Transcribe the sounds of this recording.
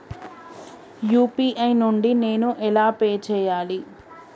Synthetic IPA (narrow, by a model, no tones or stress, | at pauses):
juːpiːʔɐjnuɳɖine̞ːnuʔɛlaːpeːt͡ʃɛːjaːli